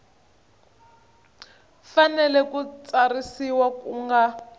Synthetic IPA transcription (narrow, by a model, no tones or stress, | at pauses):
fanɛlɛkut͡sarisiwakuŋɡa